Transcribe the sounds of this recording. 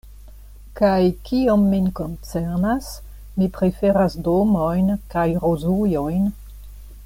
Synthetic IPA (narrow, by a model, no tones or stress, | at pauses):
kajkiomːinkont͡seɾnas | mipɾe̞feɾasdomojnkajɾozujojn